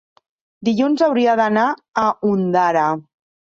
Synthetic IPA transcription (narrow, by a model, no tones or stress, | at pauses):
d̪iʎunzawɾiəðənaəund̪aɾa